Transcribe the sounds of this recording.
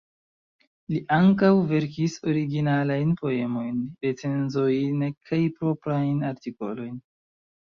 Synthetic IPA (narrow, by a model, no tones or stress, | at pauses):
liʔaŋkawve̞ɾkiso̞ɾiɡinalajnpo̞e̞mo̞jnɾet͡se̞nzojnkʰajpɾo̞pɾajnaɾtiko̞̰lo̞jn